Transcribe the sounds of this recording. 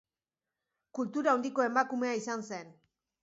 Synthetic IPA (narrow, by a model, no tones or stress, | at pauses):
kult̪uɾaownd̪iko̞e̞makume̞aisanse̞n